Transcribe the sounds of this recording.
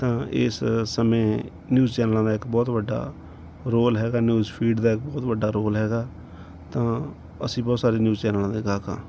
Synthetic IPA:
t̪ãːɪ̰ssəmẽː | njuːzt͡ʃɛːnəlãːd̪aːɪkbɔːt̪ʋəɖːa̰ː | ɾoːlɦɛːɡaːnjuːzpʰiːɖd̪aːɪk̚bɔːt̪ʋəɖːaːɾoːlɦɛːɡaː | t̪ãː | ə̰sĩːbɔːt̪saːɾeːnjuːzt͡ʃɛːnəlãːd̪eːɡaːkã̰ː

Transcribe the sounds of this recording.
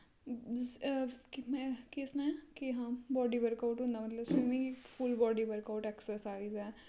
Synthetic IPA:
kmɛ̃ːkɪsnãkɪɦãːbɔːɖiːʋəɾkaʊʈɦʊ̃nd̪aːmət̪ləbsiːmĩːkipʰʊlbɔːɖiːʋəɾkaʊʈɛːksəsaːizɛː

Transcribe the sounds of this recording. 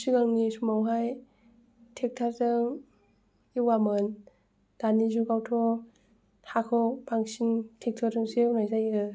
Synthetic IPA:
siɡaŋnisumawɦaj | tʰek̚tʰaɾtɯŋ | iwamɯn | d̥anizuɡawtʰɔ | hʰakʰɔk̚paŋsintʰek̚tʰɔɾtɯŋsinajzajɯ

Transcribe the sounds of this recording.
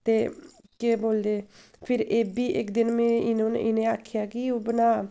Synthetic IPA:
t̪eː | keːboːld̪eː | pʰɪɾeːbiːʔɪkd̪ɪnmẽːɪnõːn̰ːʔɪneːaːkʰjaːkɪoːbənaː

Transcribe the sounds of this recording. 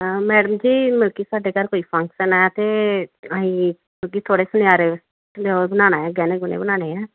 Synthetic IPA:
mɛːɽəmd͡ʒiːmʊlkisaːɖeːkaɾkoːipʰə̃ŋksənɛt̪eaːɦĩ | mʊlk̬it̪ʰoːɽesʊnaːɾe | bənaːñaːɛːɡɛːneːɡʊnḛbənaːneːɛː

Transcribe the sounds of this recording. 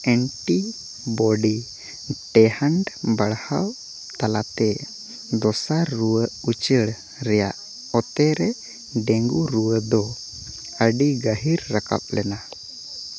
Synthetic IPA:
ɛɳʈi | bɔɖi | ʈɛhaɳɖbaɽhaw | t̪alat̪ɛ | d̪ɔsaɾuwəut͡ʃəɽ | ɾɛja̰ʔ | ɔt̪ɛɾɛ | ɖɛŋɡuɾuwəd̪ɔ | əɖiɡəɦiɾːaka̰p̚lɛna

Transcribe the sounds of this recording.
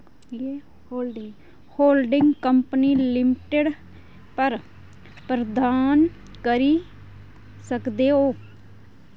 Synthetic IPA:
hoːlɖɪŋɡkəmpəniːlɪmɪʈeɖ | pəɾ | pɾəd̪aːn | kəɾiː | səkd̪eːɦoː

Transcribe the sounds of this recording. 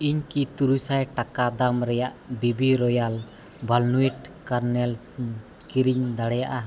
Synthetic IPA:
iɲkit̪uɾusajʈakad̪amɾɛjaʔbibiɾɔjal | bʱalnuiʈ̚kaɾnɛl | kiɾiɲd̪aɽɛjaʔa

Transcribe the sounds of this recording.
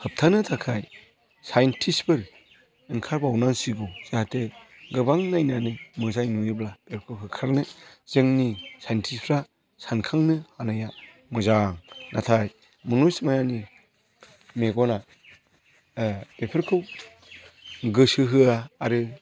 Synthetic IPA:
hɯp̚tʰanɯtʰakʰaj | sajntʰispɯɾ | ɯŋkʰaɾbawnaŋsiɡɔz̥atʰɯ | ɡɯbaŋnajnanɯmɯzajnujɯblab̥eɾkʰɯwɦɯkʰaɾnɯz̥ɯŋnisajntʰispʰɾa | sankʰaŋnɯhanaja | mɯzaŋnʔatʰaj | mɯnusmajani | meɡɔna | pepʰeɾkʰɯw | ɡɯsɯɦɯaːɾɯ

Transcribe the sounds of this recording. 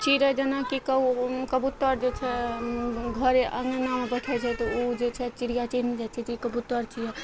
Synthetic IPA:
t͡ʃiɾɛd͡ʒenakikəkəbut̪ːəɾd͡ʒet͡ʃʰɛ | ɡʱəɾeʔəŋnamebəʈʰɛt͡ʃʰɛt̪ɔod͡ʒet͡ʃʰɛt͡ʃiɾijat͡ʃined͡ʒat͡ʃʰɛt̪ikəbut̪ːəɾt͡ʃʰijɛ

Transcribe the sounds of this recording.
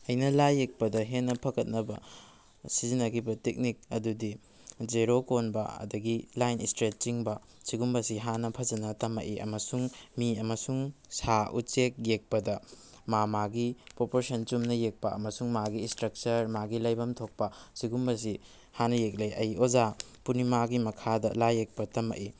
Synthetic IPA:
ɐjnɐlajːek̚pɐdɐɦenːɐpʰɐɡɐt̚nɐbɐ | sizinɐkibɐtek̚nik̚ɐdudi | d͡ʒeɾokonbɐ̰ɐ̰dɐɡilajnistɾet͡ʃːiŋbɐ | siɡumbɐsiɦanɐpʰɐzɐnɐtɐmɐʔiʔɐ̰mɐsuŋmiɐmɐsuŋsaʔṵt͡ʃek̚jek̚pɐdɐ | mamaɡipɾopoɾsɐnt͡ʃumnɐjek̚pɐɐ̰mɐsuŋmaɡiːstɾɐk̚t͡ʃɐɾmaɡilɐjbɐmtʰok̚pɐsiɡumbɐs̬i | hanɐjek̚lejʔɐjoza | punimaɡimɐkʰadɐlajek̚pɐtɐmɐ̰ʔi

